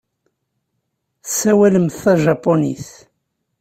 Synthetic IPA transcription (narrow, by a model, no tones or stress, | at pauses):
θsːæwæləmθθæʒɑpːonḭθ